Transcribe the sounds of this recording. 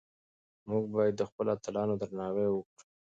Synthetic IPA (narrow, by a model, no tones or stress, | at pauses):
muɡ̚bɑjad̪ːəxpəloat̪ɪlɑnod̪ɾnɑwewəkɽu